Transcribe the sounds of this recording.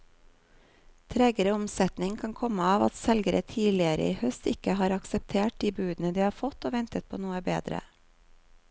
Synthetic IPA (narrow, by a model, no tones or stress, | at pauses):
t̪ʰɾɛɡəɾəɔmsɛt̪nɪŋkʰɑŋkʰɔməɑːʋɑ̰t̪sɛlɡəɾət̪ʰiːlɪəɾə̰iːhœst̪ɪkəhɑːɾɑksəp̚t̪ʰeːʈ̚d̪iːbʉːd̪n̩əd̪iːhɑːɾfɔt̪oːʋɛnt̪ət̪̚pʰoːnuːəbeːd̪ɾə̰